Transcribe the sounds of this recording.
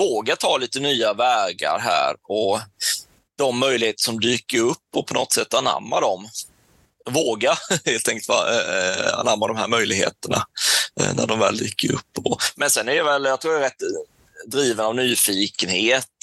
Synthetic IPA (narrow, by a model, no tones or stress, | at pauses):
voːɡat̪ʰɑːliːt̪ənyːavæːɡa̰ɾɦæ̰ːɾɔ | d̪̥ɔmːœjlɪɡheːt̪ə̥ʂɔmd̪yːkəɾɵpːɔpʰɔnɔ̰t̪sɛt̪ːana̰mːad̪ɔm | voːɡaheːlt̪ʰːɛŋkəlt̪vɑ̰ | a̰namːad̪ɔmhæːɾmœjlɪɡhḛːt̪əɳa̰ | næ̰ɖɔmvɛ̰ːld̪y̰ːkʰːəɾɵ̰pːɔmɛnsɛnːæɾjavɛljɑt̪ʰɾuːjaɾɛt̪ː | d̪ɾiːvənavnyːfiːkənheːt̪